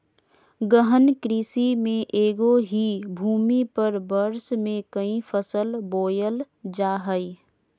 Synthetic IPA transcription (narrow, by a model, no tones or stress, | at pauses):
ɡəɦənkɾiːsimẽʔeːɡoɦibʱuːmipəɾbəɾsmẽkəĩfʰəsəlboːjəl | d͡ʒaːɦəi